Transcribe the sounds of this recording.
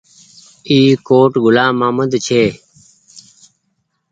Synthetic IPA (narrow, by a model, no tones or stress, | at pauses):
iːkoːʈɡulaːmaːməd̪t͡ɕʰeː